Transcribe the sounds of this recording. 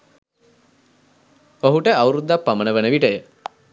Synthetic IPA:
oɦuʈəawuɾud̪ːapːamənəʋənəʋiʈəjə

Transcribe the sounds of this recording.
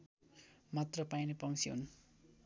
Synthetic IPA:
mat̪rʌpajnipʌŋsʰiɦṵn

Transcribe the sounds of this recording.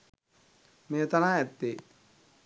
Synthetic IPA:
meət̪anaːɛt̪ːe

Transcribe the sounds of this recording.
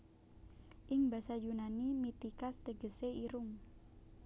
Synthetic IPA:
ʔɪŋba̤sajunanimit̪ikast̪əɡ̥əseiɾʊŋ

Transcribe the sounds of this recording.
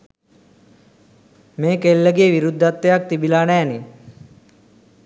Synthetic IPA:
meːkelːəɡeːʋiɾud̪ʱːat̪ːejak̚t̪ibilaːnæːni

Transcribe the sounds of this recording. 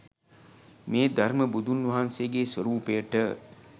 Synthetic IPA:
meːd̪ʱarməbud̪ʱunʋɐɦanseɡeːswəɾuːpejəʈə

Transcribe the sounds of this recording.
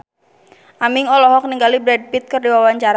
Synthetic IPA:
ʔamɪŋɔlɔɦɔk̚niŋɡalibɾɛd̚pit̪̚kɨrdiwawaɲt͡ʃaɾa

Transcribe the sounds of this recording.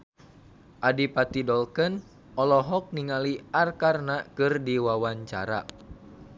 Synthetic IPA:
ʔadipat̪idɔlkən | ʔɔlɔɦɔk̚niŋaliarkarnakɨrdiwawaɲt͡ʃa̰ɾa̰

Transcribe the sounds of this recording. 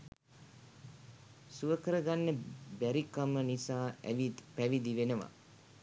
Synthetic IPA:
suʋəkəɾəɡanːəbæɾikamənisaːʋipæʋid̪iʋenəʋa̰

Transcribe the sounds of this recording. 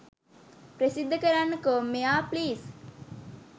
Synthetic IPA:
pɾəsid̪ːəkəɾanːəkomːejaːpliːs

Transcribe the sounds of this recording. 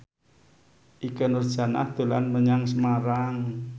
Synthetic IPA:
ʔikənʊrd̥ʒ̥a̤na̰hd̪̥o̤la̰nməɲaŋsəmaɾaŋ

